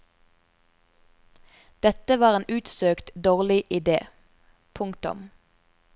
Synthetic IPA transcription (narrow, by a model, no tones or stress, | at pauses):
d̪̥ɛt̪əʋɑːʁeːnʉːt̪søːkt̪d̪oːʁlɪʔɪd̪ḛː | pʰʊŋkt̪ʊ̰m